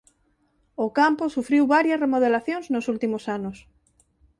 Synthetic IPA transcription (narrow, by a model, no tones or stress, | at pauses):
okamposufɾiwβaɾjɐsremoð̞elaθjõŋznosult̪imosanos